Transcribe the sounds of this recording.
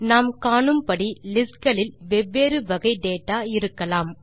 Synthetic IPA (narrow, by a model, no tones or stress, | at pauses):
naːmkaːɳɯmpɐɽilɪsɡɐɭɪlʋɛʋːeːɾɯʋɐɣɐɪɖeːʈːaːɪɾɯkːɐlaːm